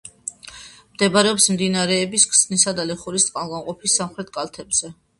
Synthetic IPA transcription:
md̪̥ɛbaɾɛɔpsmd̪inaɾɛːbiskʰsnisad̪alɛχuɾist̪sʼqʼanˠɡanqʼɔpʰisːamχɾɛt̪̚ʰkʼalˠt̪ʰɛbz̥ɛ

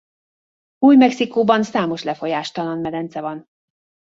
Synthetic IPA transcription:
uːjmɛksikoːbɒnsaːmo̞ʃlɛfo̞jaːʃt̪ɒlɒnmɛd̪ɛnt̪sɛvɒn

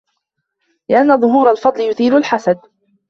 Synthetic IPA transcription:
lɪʔanːaðˤʊɦuːɾalfɑd̪ˤlɪjʊθiːlʊlħasad̪̚

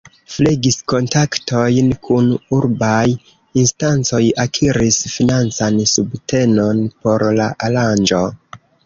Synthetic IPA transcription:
fleɡisko̞ntaktʰo̞jnkʰunuɾbaj | instant͡so̞jakʰiɾisfinant͡sansubte̞no̞npo̞ɾlaʔaland͡ʒo̞

